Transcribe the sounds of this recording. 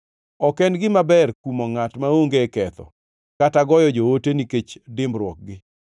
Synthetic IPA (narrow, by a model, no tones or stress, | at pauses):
ɔkɛndɡɪmabɛrkumoŋatmaoŋɡekɛt̪ɔ̰ | kataɡɔjɔd͡ʒooteniket͡ʃdɪmbɾwɔk̚ɡɪ